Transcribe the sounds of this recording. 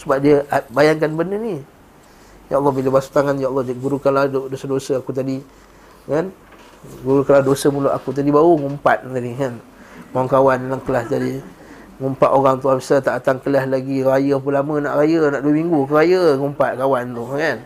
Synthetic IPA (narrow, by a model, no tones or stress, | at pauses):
səbap̚diəabajaŋk̬anbənəni | jaʔlːɔhbiləbasu̥t̪aŋanjalːɔd͡ʒɡuɾukanladosadosəakut̪̬adi | kan | ɡuɾukaladosəmuluʔa̰kut̪̬adibauŋumpat̪̚t̪adikan | mawaŋkawanlaŋkəlaht̪adi | ŋumpaʔ̪oɣaŋt̪uabəsat̪aʔat̪aŋkəlaslaɡiɾajəp̬ulamə̃naʔɾajənaʔduəmiŋɡukəɾajəŋumpat̪̚kawant̪ʊhkan